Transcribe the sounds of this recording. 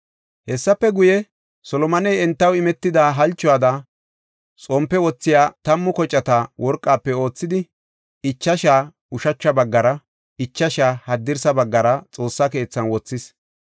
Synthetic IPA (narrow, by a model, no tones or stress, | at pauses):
hɛsːɐpːɛɡʊjɛ | sɔlɔmɐnɛjɛnt̪ːɐwɪmɛt̪ːɪd̪aːɦɐlt͡ʃːɔaːd̪a | t͡sʼɔmpːɛwɔt͡sːɪjaːt̪ɐmːʊkɔt͡ʃʼːɐt̪awʔɔɾkʼːaːpːɛo̞ːt͡sːɪd̪ɪ | ɪt͡ʃːɐʃaː | ʊʃɐt͡ʃːɐbɐɡːɐɾɐ | ɪt͡ʃːɐʃaːhɐd̪ːɪɾsɐbɐɡːɐɾɐt͡sʼo̞ːsːɐke̞ːt͡sːɐnwɔt͡sːɪs